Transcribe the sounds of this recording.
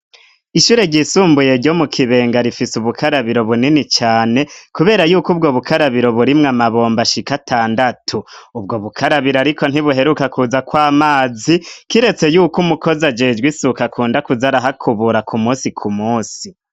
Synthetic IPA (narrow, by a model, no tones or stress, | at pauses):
iʃuːɾe̞ɟisuːmbuje̞ɾɟo̞mukʰiβe̞ːŋɡaɾifisuβukʰaɾaβiɾo̞βuninit͡ʃaːne̞kuβe̞ːɾajuːkub̚ɡo̞βukaɾaβiɾo̞βuɾimŋamaβo̞ːmbaʃikatʰaːndatʰuːbɡo̞βukʰaɾaβiɾoaɾiko̞n̥iβuɦe̞ɾukakʰuzakwaːmaːzikiɾe̞t͡se̞juːkumuko̞zad͡ʒe̞ːd͡ʒɡwisukakʰuːndakuzaɾaɦakʰuβuɾakʰumuːsikʰumuːsi